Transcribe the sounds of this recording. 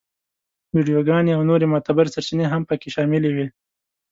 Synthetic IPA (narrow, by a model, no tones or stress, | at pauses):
wiɖijoɡɑneawnoɾemot̪abɪɾsaɾt͡ʃineɦampəkeʃɑmɪlewi